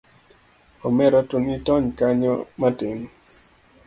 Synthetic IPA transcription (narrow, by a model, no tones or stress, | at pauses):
ɔmɛɾɔtunitɔɲkaɲɔ̰matɪn